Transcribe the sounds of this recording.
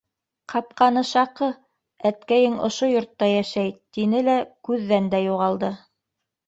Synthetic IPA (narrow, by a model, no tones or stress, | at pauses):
qɑp̚qɑnɤʃɑqɤ | æt̪kæjɘŋŏʃojŏɾt̪ːɑjæʃæjt̪inɘlækʉðːænd̪æjuʁɑlˠd̪ɤ